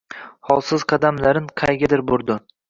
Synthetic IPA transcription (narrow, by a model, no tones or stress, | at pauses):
hɒlˠsɪzqʰɑd̪amlaɾɪnqʰɑjɡʲad̪ɪɾboɾd̪ɪ